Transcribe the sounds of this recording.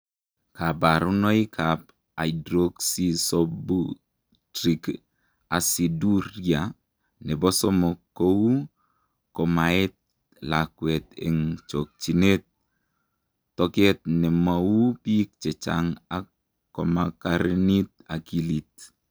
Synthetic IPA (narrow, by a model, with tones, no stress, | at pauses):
ka˨ba˨ɾu˦nɔ˦i˦kʰap̚ | a˨idɾoksisɔbu | tɾik | a˨si˨du˦ɾja˨ | nɛ˨bɔ˦sɔ˦mɔ˨kːou˦ | kɔ˨maɛ˦t̪̚ | lakwɛ˨t̪ɛ̰˨ŋt͡ʃo˨k̚t͡ʃi˨ne˦t̚ | ɔkɛ˦t̪̚nɛ˨mau˦pi˦k̚t͡ʃɛ˨t͡ʃa̰ŋa˦ | kːɔ˨makaɾni˦t̪̚a˨ki˦lit̪̚